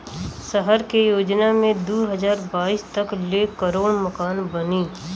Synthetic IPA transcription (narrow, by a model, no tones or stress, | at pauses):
səɦəɾkejoːd͡ʒnamẽd̪uːɦəzaːɾbaːiːst̪ɐklekəɾoːɽmɐkaːnbɐniː